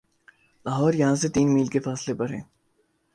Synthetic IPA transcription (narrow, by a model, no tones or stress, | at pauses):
laːɦɔːɾjɐɦãs̬et̪iːnmiːlkefaːslepɐɾɦɛː